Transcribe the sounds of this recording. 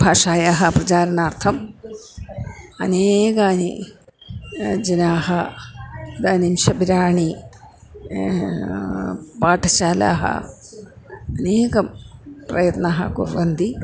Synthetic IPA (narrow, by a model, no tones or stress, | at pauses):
bʱaːʂaːjaːɦɐpɾɐt͡ʃaːɾɐnaːɾt̪ʰɐm | ɐ̰neːkaːnḭ | d͡ʒɐnaːɦɐ | d̪aːnimʃɐbiɾaːɳi | paːʈʰɐt͡ʃaːla̰ːɦɐ̰ | ɐneːkɐpɾɐ̰jɐt̪naːɦɐ̰kuɾʋɐnd̪i